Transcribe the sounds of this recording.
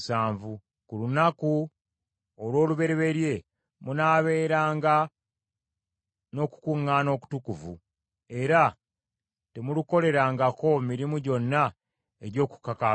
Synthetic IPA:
saːɱvu | kulunaku | olwo̞ːluβe̞ɾeβe̞ɾje̞ | munaːβe̞ːɾaːŋɡa | no̞ːku̥kuŋːaːno̞ːku̥tukuvṵ | e̞ɾa | te̞muluko̞le̞ɾaːŋɡako̞miɾimuɟo̞nːa | eɟo̞ːku̥kaka

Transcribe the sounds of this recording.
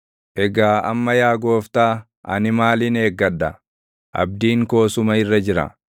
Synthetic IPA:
ʔɛɡaːʔɐmːɐjaːɡo̞ːft̪aː | ʔɐ̰nɪmaːlɪne̞ːɡːɐd̪ːɐ | ʔɐ̰b̚d̪iːŋko̞ːsʊmɐɪrːɐd͡ʒɪɾɐ̰

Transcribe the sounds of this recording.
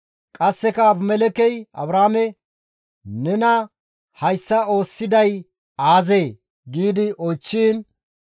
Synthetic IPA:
kʼɐsːɛkɐːbmɛlɛkɛjɐ̰bɾaːmɛ | nɛnɐ | hɐjsːɐo̞ːsːɪd̪ɐj | aːzeː | ɡiːd̪ɪʔɔjt͡ʃːiːn

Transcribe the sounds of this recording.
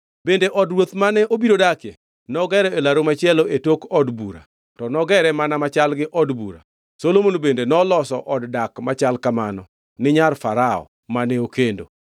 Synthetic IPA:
bendeʔɔdɾwot̪manɛʔobiɾodakɛ | nɔɡɛɾɛelaɾomat͡ʃɪɛloetokɔdbuɾa̰ | tɔnɔɡɛɾɛmanamat͡ʃalɡɪʔɔdbṵɾa̰ | solomonobendenɔlɔsɔʔɔddakmat͡ʃalkamanɔ | nɪɲarfaɾaɔ̰ | manɛokendo̰

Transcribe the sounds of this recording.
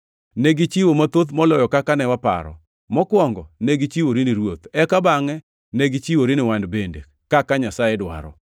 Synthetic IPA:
neɡit͡ʃiwomat̪ot̪mɔlɔjɔkakanɛwapa̰ɾɔ̰ | mɔkwɔŋɡɔ̰neɡit͡ʃiwoɾiniɾwot̪ɛkabaŋɛ | neɡit͡ʃiwoɾinɪwandbende | kakaɲasaɛdwa̰ɾɔ̰

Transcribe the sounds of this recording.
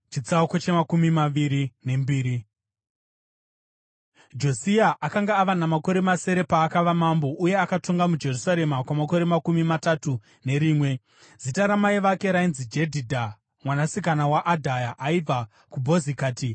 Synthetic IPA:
t͡ʃit͡saukot͡ʃe̞makumimaʋiɾine̞mbiːɾi | d͡ʒo̞siaʔakaŋɡaːʋanamako̞ɾe̞mase̞ɾe̞paːkaʋamambo̞ʔuje̞akato̞ŋɡamud͡ʒe̞rusaɾe̞makwamako̞ɾe̞makumimatatu | ne̞ɾiːmwe̞ | z̥itaɾamaiʋake̞ɾainzid͡ʒe̞dʱidʱa | mwanasikanawaʔadʱajaʔːiva | kubʱo̞zikaːti

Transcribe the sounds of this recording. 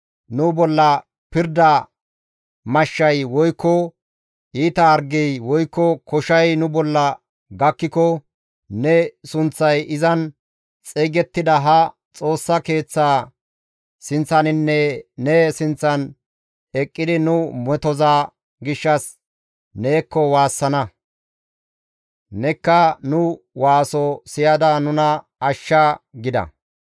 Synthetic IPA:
nʊbɔlːɐ | pɪɾd̪ɐ | mɐʃːɐjwɔjkːɔ | ʔiːt̪ɐːɾɡɛjwɔjkːɔkɔʃɐjnʊbɔlːɐ | ɡɐkːɪkɔ | nɛsʊnt͡sːɐjʔɪzɐn | t͡sʼeːɡɛt̪ːɪd̪ɐɦɐ | t͡sʼo̞ːsːɐke̞ːt͡sːaː | sɪnt͡sːɐnɪnːɛnɛsɪnt͡sːɐn | ɛkʼːɪd̪ɪnʊmɛt̪ɔzaː | ɡɪʃːɐs | ne̞ːkːɔwaːsːɐnɐ | nɛkːɐnʊ | waːsɔsɪjɐd̪ɐnʊnɐ | ɐʃːaɡɪd̪ɐ̰

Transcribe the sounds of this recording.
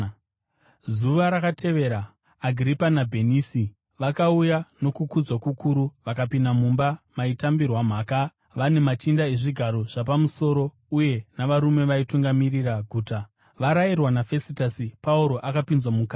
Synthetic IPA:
zuʋaɾakatʰe̞ʋe̞ɾaː | ɡʱripanabʱe̞niːsi | ʋakaujano̞kukud͡zwakukʰuɾuʋakapinam̤umbamaitambirwam̤aːka | ʋane̞mat͡ʃindae̞ʐiɡʱaɾo̞ʐ̥apamuso̞ːɾo̞ | uje̞naʋaɾume̞ʋaituŋɡamiriraɡʱuːta | ʋaɾairwanafe̞sitasipauɾo̞ʔakapinzwamukaː

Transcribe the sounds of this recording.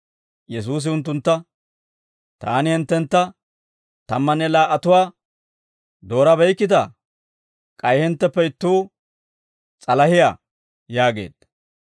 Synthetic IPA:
jɛs̬uːs̬ɪʊnt̪̬ːʊnt̪ːɐ | t̪aːnɪhɪnt̪ːɛnt̪ːɐ | t̪ɐmːɐnɛlaːʔɐt̪ʊwaː | d̪o̞ːɾɐbɛjkːɪt̪ɐ | kʼɐjhɛnt̪ːɛpːɛɪt̪ːuː | t͡sʼɐlɐhɪja̰ː | jaːɡe̞̰ːd̪̥

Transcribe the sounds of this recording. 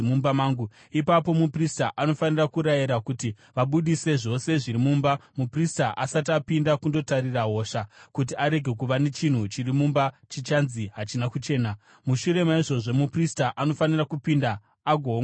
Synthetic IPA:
mumbamaːŋɡu | ipapo̞mupristaʔano̞fanirakuɾajiɾakuti | ʋaɓuɗise̞ʐo̞se̞ʐiɾimuːmbamupristaʔasatiapindakundo̞taɾiraɦo̞ːʃakut̬iaɾe̞ɡʱe̞k̬uʋane̞t͡ʃin̤ut͡ʃirimumbat͡ʃit͡ʃanziɦat͡ʃinakut͡ʃe̞ːna | muʃuɾe̞maiʐo̞ʐo̞mupristaʔano̞fanirakupindaː | ɡʱo

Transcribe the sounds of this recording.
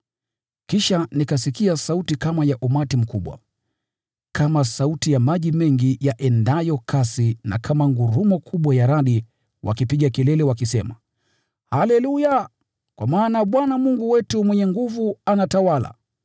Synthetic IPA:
kiʃanikasikiasautikamajaʔumatim̩kuɓwa̰ | kamasautijamaʄimɛŋɡijaʔɛndajɔkʰasina̰kʰamaŋɡuɾumɔkʰuɓwajaɾaɗi | wʔa̰kipiɠakɛlɛlɛwakisɛma̰ | halɛluja | kwamaːnaɓwanamuŋɡuwɛtumwɛɲɛŋɡuvuanatawala̰

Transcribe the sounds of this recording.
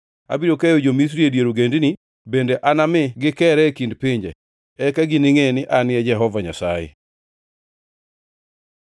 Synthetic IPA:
a̰biɾokejod͡ʒomis̬ɾiedjeɾuɡendni | bendeʔanamɪɡɪkɛɾɛkindpiɲd͡ʒɛ̰ | ɛkaɡiniŋenɪʔanɪɛd͡ʒɛɦɔvaɲa̰sajḛ

